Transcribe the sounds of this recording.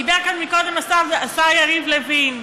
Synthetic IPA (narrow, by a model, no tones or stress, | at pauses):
ibɛʁkanmikod̪emasaveasajaʁivlevin